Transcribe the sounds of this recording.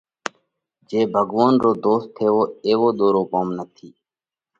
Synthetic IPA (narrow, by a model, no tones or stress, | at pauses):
d͡ʒeːbʱəɡʋoːnɾoːd̪oːst̪ʰːeːʋoːeːʋoːɗ̪oːɾoːkoːmnət̪ʰiː